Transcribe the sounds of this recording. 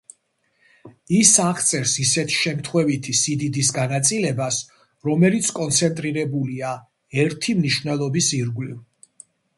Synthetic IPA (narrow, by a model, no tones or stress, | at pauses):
isaʁt̪sʼɛɾsisɛt̪ʰʃɛmt̪ʰχwɛvit̪ʰisid̪id̪isɡanat̪sʼilɛbas | ɾɔmɛlit̪sʰkʼɔnt̪sʰɛnt̪ʼɾiɾɛbulia | ɛɾt̪ʰimniʃvnɛlˠɔbisiɾɡliv